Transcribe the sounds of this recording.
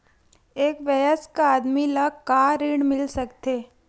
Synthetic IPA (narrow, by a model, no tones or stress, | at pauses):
eːkʋəjəskaaːd̪milaɡkaːɾiːɽmɪlsɐkt̪eː